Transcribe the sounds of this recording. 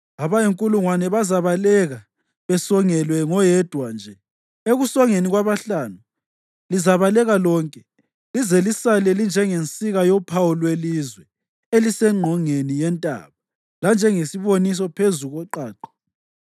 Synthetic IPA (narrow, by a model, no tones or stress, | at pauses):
aβajiŋkʼuluŋwanɛβazaβalɛɣa | βɛsɔŋɛlwɛŋɔjɛd̥ʱwand͡ʒʱɛ | eɣusɔŋeniɣwaβaɬaːnu | lizaβalɛɣalɔːŋkʼɛ | lizɛlisalɛlind͡ʒʱɛŋent͡sʼiɣajɔpʰawɔlwelizwɛ | elisɛŋ͡ǃʱɔŋenijɛntʼa̰ːβa | land͡ʒʱɛŋesiβonis̬ɔpʰezuɣɔǃaːǃɔ̥